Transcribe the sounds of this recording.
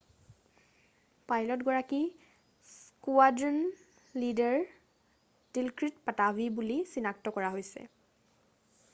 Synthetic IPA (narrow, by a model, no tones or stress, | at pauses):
pajlɔtɡɔɹaki | skuadn | lidɛɹ | dilkɹitpatabʱibulisinak̚tɔkɔɹaɦojsɛ̰